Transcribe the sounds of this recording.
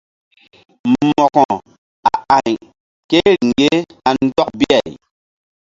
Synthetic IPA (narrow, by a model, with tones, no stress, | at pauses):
mɔ˨kɔ˨ | a˨a˨ɲ | ke˦ɾi˨ŋɡe˦a˨n̩˦dɔ˦k̚bi˦a˨j